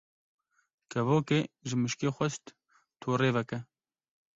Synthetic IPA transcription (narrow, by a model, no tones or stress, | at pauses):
kʰɐvoːkeːʒɨmɨʃkeːxʷɛʃt̪ | t̪ʰoːreːvɛkɛ